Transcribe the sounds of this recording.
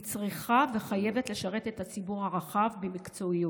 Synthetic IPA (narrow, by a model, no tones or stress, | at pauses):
t͡sʁiχave̞χaje̞ve̞tle̞ʃaʁe̞tethat͡sibuʁhaʁaχavbemikt͡so̞iu